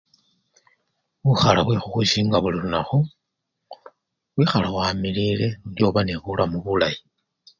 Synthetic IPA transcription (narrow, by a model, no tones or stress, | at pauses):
βuxalaβwexuxusiŋɡaβulilunaxo | βwiːxalawamilile̞djo̞βaneβulʔamuβulaji